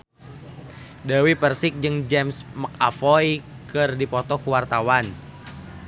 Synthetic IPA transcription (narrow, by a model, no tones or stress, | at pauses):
dawipərsɪk̚d͡ʒɨŋd͡ʒɛmsmak̚afɔj | kɨrdipɔt̪ɔkuwart̪awan